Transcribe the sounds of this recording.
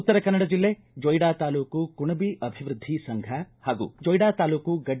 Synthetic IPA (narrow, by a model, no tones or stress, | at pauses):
ut̪ːɐɾɐkɐnːɐɽɐd͡ʒilːeː | d͡ʒojɽaːt̪aːluːkukuɳɐbiʔɐbʱiʋɾud̪ʱːisɐŋɡʱɐhaːɡṵd͡ʒojɽaːt̪aːluːkuɡɐɖ